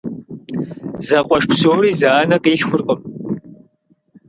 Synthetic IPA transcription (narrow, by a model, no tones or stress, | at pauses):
zɐqʷʼɔʃpsoːɾiːzaːnɐqʼiːɬxʷʊrqʼəm